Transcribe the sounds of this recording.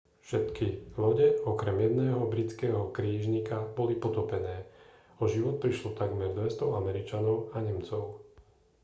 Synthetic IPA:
fʃɛt̪kilɔɟɛɔkɾɛmjɛd̪nɛːɦɔbɾit͡skɛːɦɔkɾiːʒɲikabɔlipɔt̪ɔpɛnɛː | ɔʒiʋɔt̪̚pɾiʃlɔt̪aɡmɛɾd̪ʋɛst̪ɔamɛɾit͡ʃanɔʊaɲɛmt͡sɔʊ

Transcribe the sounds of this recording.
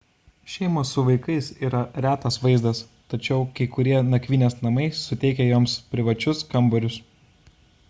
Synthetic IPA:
ʃʲɛɪmoːsːʊʋɐɪkɐɪsiːɾɐɾʲæːt̪ɐsʋɐɪzd̪ɐs | t̪ɐt͡ʃʲɛʊkɐɪkʊɾʲiɛnɐkʲʋʲiːnʲeːsnɐmɐɪsʊt̪ʲɛɪkʲɛjoːmspʲɾʲɪʋɐt͡ʃʲʊskɐmbɐɾʲʊs

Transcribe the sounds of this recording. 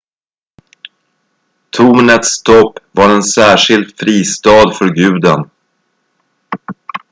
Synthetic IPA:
t̪ʰuːnət̪st̪ʰɔpːvaɾɛnsæːʂɪlt̪fɾiːst̪ɑːd̪fœɾɡʉ̟ːd̪ən

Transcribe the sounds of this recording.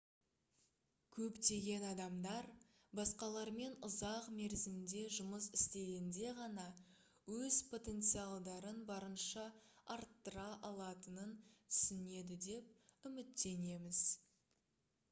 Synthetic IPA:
kʲʰɵpt̪e̞ɡʲe̞nɑd̪ɑmd̪ɑɾ | bɑsqɑlˠɑɾme̞nʊzɑqme̞ɾzɪmd̪e̞ʒʊməsɪst̪e̞ɡʲend̪e̞ʁɑnɑ | wɵzpʰo̞t̪e̞nt̪sijɑlˠd̪ɑɾənbɑɾənʃɑɑɾt̪ːəɾɑʔɑlˠɑt̪ənənt̪ʰʏ̥sɪne̞d̪ɪd̪e̞p̚ʏmɪt̪ːe̞ne̞mɪz̥

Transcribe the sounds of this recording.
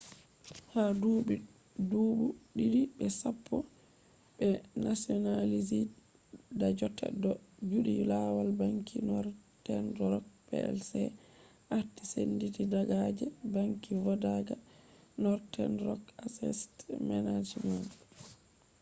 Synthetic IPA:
hadubi | duːbuɗiɾiɓɛsapʰːɔ | ɓɛnasiɔnalizi | dad͡ʒɔtːɛ̰dɔd͡ʒuɗijulawalbaŋkʰinɔɾtɛndɾɔk̚pɛ̰ɛ̰lsɛ | ʔaɾtisenditidaɡad͡ʒɛbaŋkivɔdaɡanɔɾtɛ̰nɾɔkasɛ̰stmɛnad͡ʒiɲɔn

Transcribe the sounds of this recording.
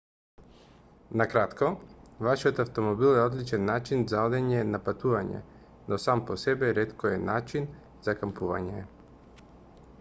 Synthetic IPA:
nakɾat̪kɔvaʃiɔt̪aft̪ɔmɔbilˠɛɔd̪lit͡ʃɛnːat͡ʃinzaɔd̪ɛɲɛnapat̪uvaɲɛ̰ | nɔsampɔsɛbɛɾɛt̪kɔɛnat͡ʃin | zakampuva̰ɲɛ

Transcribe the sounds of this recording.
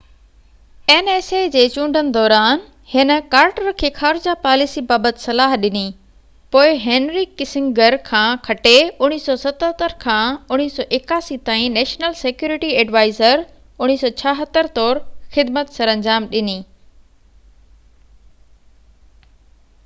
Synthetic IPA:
eneːsed͡ʑeːt͡ɕũːɳɖʱənɪ̆d̪ɔːɾaːn | hɪnə̆kaːɾʈəɾkʰeːxaːɾɪd͡ʑapaːlɪsibaːbət̪ɪsɐlaːɦɗɪni | poːɪɦẽːnɾikɪsɪ̃ŋɡəɾkʰãːkʰɐʈeʊɽ̃iːsɔsɐt̪ɦət̪əɾkʰãːʊñiːsɔːʔɪkaːsit̪aːĩnɛːʃnəlsekjuːɾɪʈiɛːɖʋaːɪzəɾ | ʊɽ̃iːsɔːt͡ɕʰɐɦət̪əɾt̪ɔːɾxɪd̪mət̪sɐɾɐ̃ɲd͡ʑaːmɗɪniː

